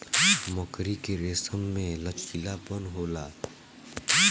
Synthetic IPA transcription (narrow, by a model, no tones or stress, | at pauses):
məkɾikeɾeːsəmːẽlət͡ʃkɪlabənɦoːlaː